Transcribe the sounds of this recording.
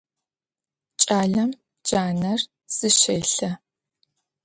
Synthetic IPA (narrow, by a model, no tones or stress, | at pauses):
t͡ʃʼaːɮɐm | d͡ʒaːnɐr | z̥ɨʃɐjɬɐ